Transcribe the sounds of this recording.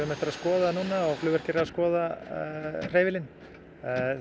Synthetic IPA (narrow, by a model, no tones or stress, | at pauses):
ʏmɛht̪ɪɾaðskɔːðanuːnaaɣflʏːvɛɾ̥cɪɾɪaskɔːða | r̥eːjvɪlɪn